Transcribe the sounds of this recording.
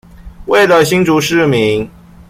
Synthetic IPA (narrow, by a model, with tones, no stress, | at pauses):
we˥˩ɪlə˨ɕi˥ŋʈ͡ʂu˧˥ʂɻ̩˥˩mi˨˦ŋ